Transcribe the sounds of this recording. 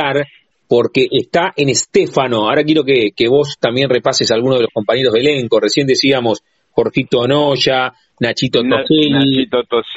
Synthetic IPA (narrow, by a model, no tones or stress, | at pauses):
aɾ | po̞ɾkeʔest̪aʔenest̪efano̞aoɾak̬je̞ɾo̞kekeβo̞st̪ambje̞nre̞pasesalɣunoðelosko̞mpaɲe̞ɾoɦðeleŋkore̞sje̞nd̪esiamo̞s | xo̞ɾxit̪onoʃa | nat͡ʃit̪ot̪oset̪t̪